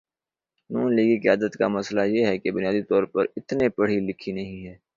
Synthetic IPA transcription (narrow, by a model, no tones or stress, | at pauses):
nuːnliːɡikɐjaːd̪ət̪kamɐslajeɦɛkebʊnɪjaːd̪it̪ɔːɾpɐɾɪt̪nepɐɽ̤ilɪkʰinɐɦĩɦɛː